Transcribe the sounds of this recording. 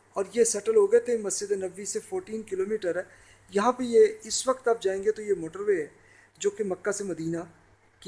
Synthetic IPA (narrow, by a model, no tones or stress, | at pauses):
ɔːɾjesɐʈəlɦoɡɐet̪ʰemɐsd͡ʒɪd̪enɐʋːisefʰoːɾʈiːnkɪloːmiːʈəɾɛː | jɐɦãpəjeɪsʋɐkt̪aːp̚d͡ʒaːẽːŋɡet̪ojemoːʈəɾʋeɛ | d͡ʒoːkemɐkːasemɐd̪iːna | ki